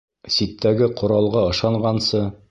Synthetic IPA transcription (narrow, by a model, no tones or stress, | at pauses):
sit̪ʰːæɡɘqʰŏɾɑlˠʁɑɤ̆ʃɑɴɢɑnsɤ